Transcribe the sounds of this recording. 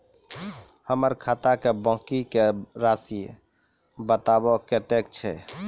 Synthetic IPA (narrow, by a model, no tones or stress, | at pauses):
həməɾkʰat̪akebɔ̃kikeɾasi | bət̪abɔket̪ek̚t͡ʃʰɛ